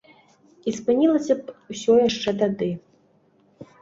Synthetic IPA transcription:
ispɨnʲilˠɐsʲɐpwsʲɔjaʂt͡ʂɛt̪ad̪ɨ

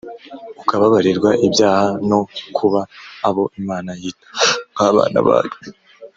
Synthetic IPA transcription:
ukaβaβaɾiɾɡwaʔibjaːhano̞kʰuβaːβo̞ʔimaːnajiːtḁaβa̰ːna̰βa̰ːje

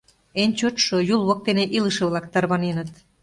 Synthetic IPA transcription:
enʲt͡ɕøt̪ʃojulβok̚t̪eneʔiləʃĕβlɑkt̪ɑrβɑnenət̪

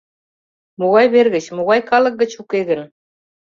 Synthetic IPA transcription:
muɣɑjβerɣɘ̆t͡ɕmuɣɑjkɑlˠɤ̆k̚ɡɘ̆t͡ɕukeɣɘ̆n

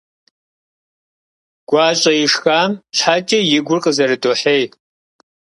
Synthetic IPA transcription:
ɡ̥ʷaːɕʼɐjɪʂxaːmt͡ʃʰħaːt͡ʃʼɐjɪɡʷʊrqʼəzɐɾɨdʼoːħeːj

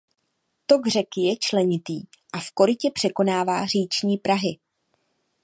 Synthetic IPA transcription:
t̪oɡr̝ɛkjɛt͡ʃlɛɲɪt̪iːʔafko̞ɾɪcɛpr̥ɛko̞naːvaːr̝iːt͡ʃɲiːpɾaɦɪ

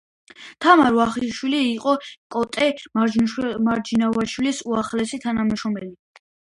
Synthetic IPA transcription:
t̪ʰamaɾvaχiʃwiliːqʼɔkʼɔt̪ʼɛ | maɾd͡ʒinavaʃwilisuaχlɛsit̪ʰanamʃɔmɛli

